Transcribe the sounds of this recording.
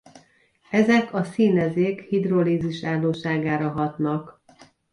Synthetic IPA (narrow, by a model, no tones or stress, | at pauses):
ɛzɛkɒsiːnɛzeːkhid̪roliːziʃaːlːoːʃaːɡaːɾɒɦɒt̪nɒk